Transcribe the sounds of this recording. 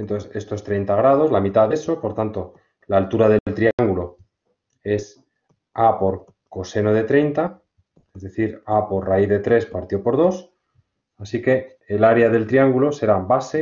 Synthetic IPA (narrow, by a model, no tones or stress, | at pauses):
ent̪oθse̞st̪o̞st̪ɾe̞jnt̪aɣɾað̞o̞zlamit̪aðeso̞po̞ɾt̪ant̪o̞ | laːlt̪uɾaðelt̪ɾiaŋɡulo̞ | e̞s | apo̞ɾ | ko̞se̞noð̞e̞t̪ɾe̞jnt̪a | ezðe̞θiɾapo̞ɾraiθðe̞t̪ɾe̞spaɾt̪jo̞po̞ɾð̞o̞s | asike̞ː | laɾeað̞e̞lt̪ɾiaŋɡulo̞se̞ɾabase̞